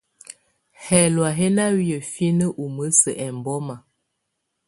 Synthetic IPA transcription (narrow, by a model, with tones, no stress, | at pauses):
hɛ˨lwa˨ɦɛ˦na˦wi˦jə˨fi˦nə˦ʔu˨mə˦sə̰˨ʔɛ˨m˨bɔ˦ma˨